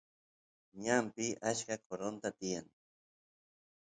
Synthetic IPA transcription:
ɲampɪʔat͡ʃkakoɾont̪at̪ɪjaŋ

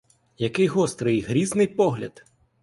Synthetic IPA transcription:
jɐkɪjɦɔst̪ɾɨjɦɾʲiznɪjpɔɦlʲɐ̰d̪

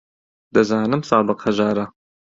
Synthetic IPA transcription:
d̪̥ɐzaːnɨmsaːbɨqhɐʒaːɾɐ

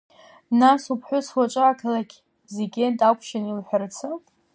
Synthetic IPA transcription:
nasupʰħʷʊswat͡ʃʷʼaaːkʰalaɡʲ | zeɡʲe̞ntʼakʷʰʃanilħʷᶣart͡sʰɨ

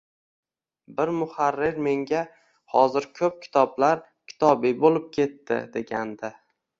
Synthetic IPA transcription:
bɪɾmʊhaɾːɪɾme̞ŋɡʲa | hɒzɪɾkʲʰɵp̚kʲʰɪ̥t̪ʰɒblaɾ | kʲʰɪ̥t̪ʰɒbibolɪp̚kʲʰe̞t̪ːɪ̰d̪e̞ɡʲand̪a

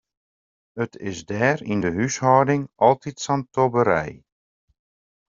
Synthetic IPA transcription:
ətʰɪsdɛːrindəɦyshɔwdɪŋɑlˠtitsantobəɾɛ̰j

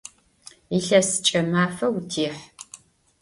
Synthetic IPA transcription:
iɬɐsɨ̥t͡ʃʼɐmaːfɐwtʰiːħ

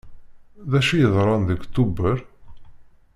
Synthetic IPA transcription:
ðæʃijəðˤɾˤɑnðukt̪ːubəɾ

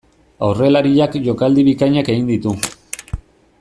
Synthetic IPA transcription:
awre̞laɾiʎakʝo̞kald̪iβikajɲake̞ɣind̪it̪u

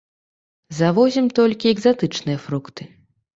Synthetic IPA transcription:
zavɔzʲimt̪ɔlʲkʲiɛɡzat̪ɨt͡ʂnɨjɐfɾukt̪ɨ

